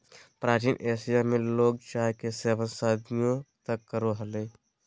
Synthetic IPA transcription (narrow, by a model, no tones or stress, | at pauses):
pɾaːt͡ʃiːnʔeːsijamẽloːɡ̚t͡ʃaːɦkeseːʋənsaːd̪nijõt̪əkːəɾoɦəleː